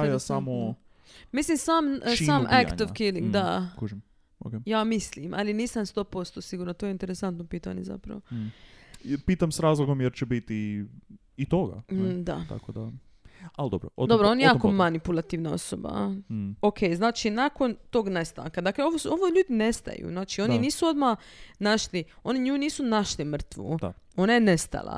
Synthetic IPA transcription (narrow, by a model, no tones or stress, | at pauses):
ajasamo | mislimsaːmisamak̪oʋkiliŋɡd̪akuʒim | o̰kejaːmislimʔa̰liniːsamst̪o̞ːpo̞st̪osiɡuɾnot̪ojeint̪eɾesant̪nopiːt̪a̰ɲeza̰pɾɐ̰ʋo | piːt̪amsɾaːzlˠoɡomjeɾt͡ʃɛbit̪iː | t̪oɡa̰d̪a̰t̪a̰kod̪a | ald̪obɾo̰d̪o̞bɾoonajejaːkomanipulˠat̪iʋnao̞̰so̰ba̰okʰejznaːt͡ʃinako̞nt̪o̞ɡnest̪a̰ːŋkad̪akleoʋooʋoʎuːd̪inest̪a̰jṵznaːt͡ʃio̞nniniːsuo̞d̪manaʃlio̞niɲuuniːsunaʃlimr̩t̪ʋṵo̞najenest̪a̰lˠa̰